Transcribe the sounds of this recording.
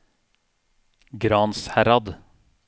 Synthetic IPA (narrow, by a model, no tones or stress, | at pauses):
ɡɾɑːnshæɾɑd̪